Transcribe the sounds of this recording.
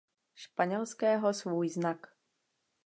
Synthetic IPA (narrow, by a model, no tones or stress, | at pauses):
ʃpaɲɛlskɛːɦosvuːjznak